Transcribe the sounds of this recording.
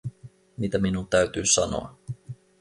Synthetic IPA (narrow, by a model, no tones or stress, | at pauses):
mit̪æminunt̪æɥt̪yːsɑno̰ɑ